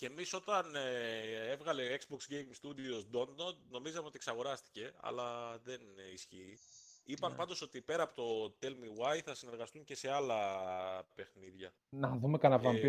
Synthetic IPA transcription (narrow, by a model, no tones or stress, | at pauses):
ce̞ːmiso̞t̪ɐnee̞vɣɐle̞oekzboksɡejmst̪ud̪io̞sd̪o̞nd̪ot̪̚no̞mizɐmeo̞t̪ieksɐɣo̞ɾɐst̪i̥ce̞ɐ̰lɐðe̞nisçiːipɐmpɐnd̪o̞so̞t̪ipe̞ɾɐːpo̞t̪o̞t̪e̞lmiwɐjθɐsine̞ɾɣɐst̪uɲce̞se̞ɐlɐ | pe̞xniðʝɐ | nɐðumekɐnɐvɐmbi